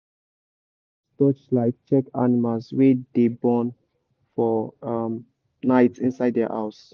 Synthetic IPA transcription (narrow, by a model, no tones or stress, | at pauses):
stɔt͡ʃlaɪft͡ʃɛkanimalswedebɔ̃n | fɔm | naɪtsĩnsaɪddɛ̰ʔa̰ʊs